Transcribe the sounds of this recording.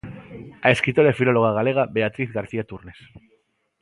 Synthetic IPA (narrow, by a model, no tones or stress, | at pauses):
aeskɾit̪oɾaefilo̞loɣ̞aɣale̞ɣ̞abeat̪ɾiθɣaɾθiat̪uɾnes